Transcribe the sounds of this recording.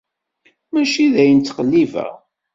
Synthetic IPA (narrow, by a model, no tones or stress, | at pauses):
mæʃiðæjənt͡s̪ːqəlːivæ̰